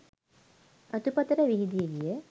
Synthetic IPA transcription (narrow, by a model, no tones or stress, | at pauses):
ɐt̪upɐt̪əɾəʋiɦid̪ijeɡijə